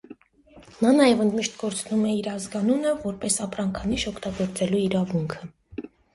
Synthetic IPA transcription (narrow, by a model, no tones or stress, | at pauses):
nɑnɑjɛvənd̪miʃt̪ɡɔɾt͡sʰnumɛiɾɑzɡɑnunəvɔɾpɛsɑpɾɑŋkʰɑniʃɔkʰt̪ɑɡɔɾt͡sɛluiɾɑvuŋkʰə